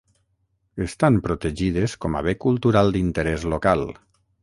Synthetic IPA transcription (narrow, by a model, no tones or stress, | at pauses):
est̪ampɾot̪eʒið̞eskɔma̰βekulˠt̪uɾalˠd̪int̪əɾɛzlokalˠ